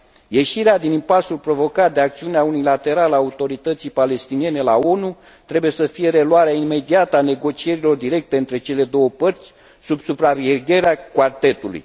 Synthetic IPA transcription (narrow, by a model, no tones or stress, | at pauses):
je̞ʃiɾead̪inimpasulpɾo̞vo̞kat̪̚d̪eak̚t̪siuneaunilat̪e̞ɾalaːut̪o̞ɾit̪ət̪sijpale̞st̪inijene̞lao̞nu | t̪ɾe̞buje̞səfije̞ɾe̞luaɾeaime̞d̪iat̪əane̞ɡo̞t͡ʃie̞ɾilo̞rd̪iɾe̞k̚t̪e̞ɨnt̪ɾe̞t͡ʃe̞le̞d̪o̞wəpərt̪sʲ | subsupɾaveɡʲe̞ɾeakwart̪e̞t̪ulṵj